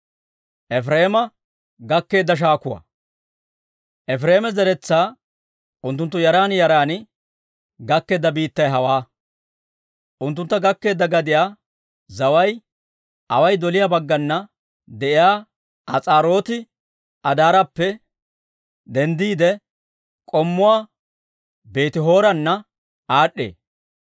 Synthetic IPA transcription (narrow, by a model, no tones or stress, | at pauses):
ʔɛfɾeːmɐ | ɡɐkːe̞ːd̪ːɐʃ̬aːkʊwɐ̰ | ʔɛfɾeːmɛzɛɾɛt͡sːaː | ʔʊnt̪ːʊnt̪ːʊjɐɾaːnjɐɾaːn | ɡɐkːe̞ːd̪ːɐbiːt̪ːɐjɦɐwaː | ʔʊnt̪ːʊnt̪ːɐɡɐkːe̞ːd̪ːɐɡɐd̪ɪjaː | zɐwɐj | ʔɐ̰wɐjd̪ɔlɪjabɐɡːɐnːɐ | d̪ɛʔɪjaː | ʔɐt͡sʼaːɾo̞ːt̪ɪ | ʔɐd̪aːɾɐpːɛ | d̪ɛnd̪iːd̪ɛ | kʼɔmːʊwaː | be̞ːt̪ɪɦo̞ːɾɐnːɐ | aːɗːḛː